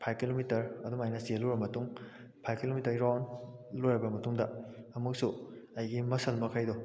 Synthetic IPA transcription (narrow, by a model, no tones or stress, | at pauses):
pʰajkilomitɐɾɐduŋajnɐsiluɾɐmɐtuŋ | pʰajkilomitɐɾɾanlojɾɐbɐmɐtuŋdɐɐmuk̚su | ɐjɡimɐsɐlmɐkʰajdɔ